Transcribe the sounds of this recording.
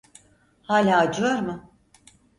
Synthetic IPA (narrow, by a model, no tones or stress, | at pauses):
haːlʲaːd͡ʒɯlaɾmɯ